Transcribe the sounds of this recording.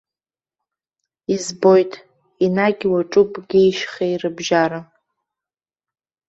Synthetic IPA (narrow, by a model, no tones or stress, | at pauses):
izbo̞jtʼ | inaɡʲwaʈ͡ʂʼupʼɡʲijʃχeirɨbʒaɾa